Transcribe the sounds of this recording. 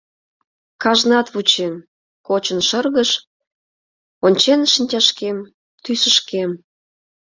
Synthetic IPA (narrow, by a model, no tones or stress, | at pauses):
kɑʒnɑt̪βut͡ɕem | kot͡ɕənʃərɣəʃ | onʲt͡ɕenʃənʲtʲɑʃkem | t̪ysəʃkem